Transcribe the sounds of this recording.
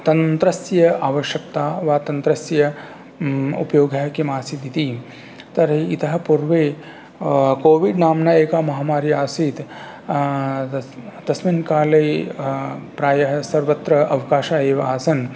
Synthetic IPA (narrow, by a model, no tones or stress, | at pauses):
t̪ɐnt̪ɾɐsjɐʔaːʋɐʃjɐk̚t̪aːʋaːt̪ɐnt̪ɾɐsjɐ | ṵpɐjoːɡɐɦkimaːsid̪it̪i | t̪ɐɾiit̪ɐɦɐ̆puɾʋeː | koːʋiɖnaːmnɐeːkaːmɐɦaːmaːɾjɐaːsiːt̪ | d̪̥ɐsminkaːlɐj | pɾaːjɐɦɐsɐɾʋɐt̪ɾɐʔɐʋkaːʃaːeːʋɐaːsɐn